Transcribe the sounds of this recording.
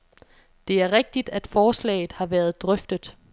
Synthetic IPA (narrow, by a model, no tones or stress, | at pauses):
d̥e̝æɐʁeɡ̥̚d̥id̥æd̥fɒːslɛ̰ːɪð̩ˠhɑ̈ʋæːɐð̞̩ˠd̥ʁœfd̥əð̥̩ˠ